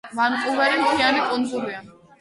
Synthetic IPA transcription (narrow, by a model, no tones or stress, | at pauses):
manqʼuvɛɾimtʰiaɾikʼund̪zuɾia